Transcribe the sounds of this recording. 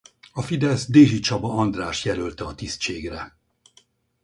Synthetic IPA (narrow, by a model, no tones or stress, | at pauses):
ɒfid̪ɛsd̪eːʒit͡ʃɒbɒɒnd̪raːʃjɛlølt̪ɛɒt̪ist͡ʃeːɡrɛ